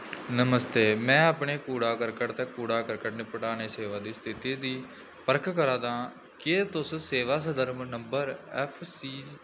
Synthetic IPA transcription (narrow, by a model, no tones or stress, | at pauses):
nəməst̪eːmɛ̃ːaːpɳeːkuːɽaːkəɾkəʈt̪ɛ̃ːkuːɽaːkəɾkəʈneːpəʈaːneːseːʋaːd̪iːst̪ʰɪt̪iːd̪iː | pəɾkʰkəɾãːd̪ãː | keːt̪ʊsseːʋaːs̬əd̪əɾmnəmbəɾɛːpʰsiː